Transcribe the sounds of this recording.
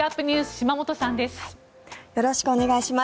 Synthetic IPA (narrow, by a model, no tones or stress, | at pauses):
apːɯ̟ɲ̟ʲiɨːsɨ̥ɕimamo̞t̪o̞sãnd̪e̞sɨ̥ | jo̞ɾo̞ɕi̥kɯo̞ne̞ɡaiɕima